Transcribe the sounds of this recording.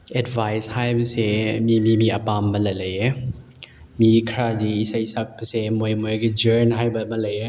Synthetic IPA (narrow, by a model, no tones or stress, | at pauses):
edbʱajshajbɐsemimimiɐpamːɐlɐlɐje | mikʰɾadiːsajsak̚pɐsemojmojɡid͡ʒeɾnɦajbɐmɐlɐje